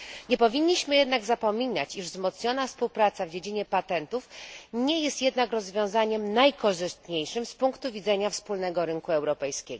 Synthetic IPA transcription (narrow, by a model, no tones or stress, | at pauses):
ɲɛpɔvʲiɲːiɕmɘjɛd̪naɡzapɔmʲina̰t͡ɕiʐzmɔt̪sɲɔnafspuwpɾat̪savd͡ʑed͡ʑiɲɛpat̪ɛnt̪ufɲɛjɛst̪jɛd̪nakɾɔzvʲjɔ̃w̃zaɲɛmnajkɔʐɘst̪ɲejʂɘmspuŋkt̪uvʲid̪zɛɲafspulnɛɡɔɾɘŋkuɛwɾɔpɛjskʲɛɡ